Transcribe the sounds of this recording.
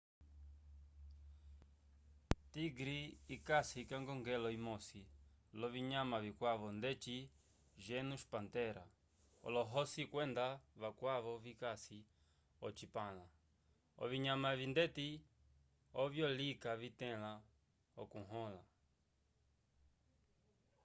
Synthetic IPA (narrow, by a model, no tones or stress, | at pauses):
tiɡɾiːkasikaŋɡɔŋɡɛlɔimɔsilɔβiɲamaβikwaβɔndɛt͡ʃi | ʒɛnuʃpantɛɾa̰ | ɔ̰lɔɦɔsikwɛndaβakwaβɔvikasi | ɔt͡ʃipala | ɔ̰viɲamavindɛti | ɔvjɔlikavitɛ̃la | ɔ̰kuɦɔla